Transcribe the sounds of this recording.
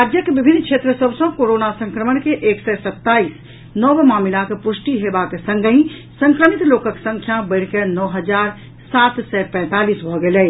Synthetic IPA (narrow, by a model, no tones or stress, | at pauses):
ɾad͡ʒjəkebibʱinːkʃʰet̪ɾəsəbʱsə̃koɾonasə̃ŋkɾəmənkeʔeksɛsət̪ːais | nɔʋmaːmilakepusʈiɦebakesə̃ŋɡʱəĩ | sə̃ŋkɾəmit̪lokəksə̃ŋkʰjabəɪɽ̤kenɔɦəd͡ʒaɾ | sat̪sɛpɛ̃t̪alisbʱɔɡelɛ